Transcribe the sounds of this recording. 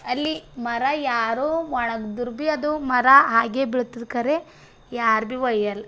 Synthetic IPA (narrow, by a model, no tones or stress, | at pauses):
ɐlːimɐɾɐjaːɾuʋɐɳɐɡd̪uɾbiɐd̪umɐɾɐɦaːɡebiɭut̪ːid̪kɐɾe | jaːɾbiʋɐjɐl